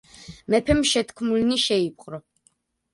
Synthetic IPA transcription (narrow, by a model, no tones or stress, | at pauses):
mɛpʰɛmʃɛt̪ʰkʰmulniʃɛipʼqʼɾɔ